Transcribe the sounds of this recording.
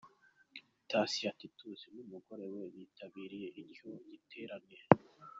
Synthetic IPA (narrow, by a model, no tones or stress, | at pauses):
tasiatitʰuzinumuɡo̞ɾeweβitʰaβiːɾije̞ʔicoɟitʰeːɾaneɾe